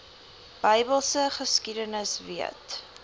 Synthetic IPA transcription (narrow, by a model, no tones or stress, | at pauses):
b̥əjbəlˠsəχəskidənəsviət